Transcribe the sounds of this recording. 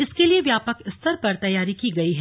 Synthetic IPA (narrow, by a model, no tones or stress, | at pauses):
ɪskelieʋjaːpəkɪst̪ʰəɾpɐɾt̪ɐjːaːɾikiːɡɐiɦɛ